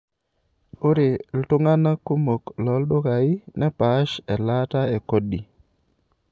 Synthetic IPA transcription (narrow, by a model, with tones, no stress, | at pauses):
o˦ɾe˨ltʊ˦ŋa˦na˦ko˦mo˨klɔ˨˦ldo˦ka˨ɪ˦nɛ˦pa˨ʃɛ˨la˦ta˦e˨ko˦di˨